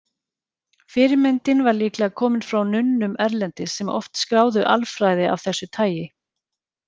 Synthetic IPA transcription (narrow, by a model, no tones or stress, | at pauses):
fɪɾɪmɛnt̪ɪnvaɾliːklakʰɔːmɪnfɾawnʏnːʏmɛɾlɛnt̪ɪsɛmɔ̰ft̪skɾaːwðʏʔalfɾajðɪʔa̰vθɛsːʏt̪ʰaːjɪ